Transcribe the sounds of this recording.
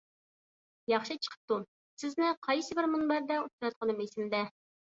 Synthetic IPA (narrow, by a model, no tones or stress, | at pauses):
jɑχʃɨt͡ʃʰə̥qʰə̥p̚t̪u | sɪznɪqʰɑjsɨbɪɾmunbɑɾd̪ɛut̪ɨɾɑt̪̚qʰənɨmesɪmd̪ɛ